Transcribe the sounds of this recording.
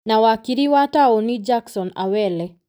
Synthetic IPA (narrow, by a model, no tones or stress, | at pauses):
nawakiɾiwataɔnid͡ʒaksɔna̰wɛlɛ